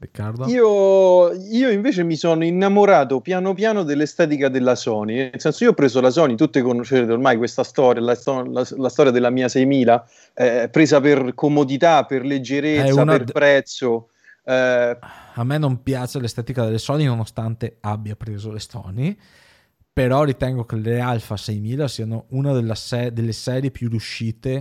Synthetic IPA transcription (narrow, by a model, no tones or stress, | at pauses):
ɾikːard̪oiːo | iːoiɱveːt͡ʃemisonoinːamoɾaːt̪̬opjanopjaːnod̪elːest̪ɛːt̪̬ikad̪elːasɔːninelsɛnsoioɔpːɾeːzolas̬ɔːnit̪ut̪ːekonoʃeɾeːt̪eormajkwest̪ast̪ɔːɾjalast̪ɔlalast̪ɔːɾjad̪elːamiːasɛjmiːla | ɛpɾeːzaperkomod̪it̪apːerled͡ʒːeɾeɛusanaerpɾɛt̪sːo | ɛ | amːenːompjaːt͡ʃelest̪ɛːt̪ikad̪elːesɔːninonost̪ant̪eabːjapɾeːzolesɔ̰ːni | peɾɔrit̪ɛŋɡokelealfasɛjmiːlasiːanounad̪elːasɛd̪elːesɛːɾjepjurjuʃːiːt̪e